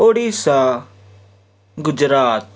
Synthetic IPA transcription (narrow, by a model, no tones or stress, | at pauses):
oːɽiːsa | ɡʊd͡ʒɾaːt̪